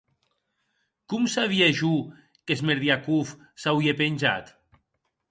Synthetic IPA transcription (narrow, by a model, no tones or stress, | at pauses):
kumsaβ̞ieʒu | kezmeɾðiakuf | sawiepenʲʒa̰t̪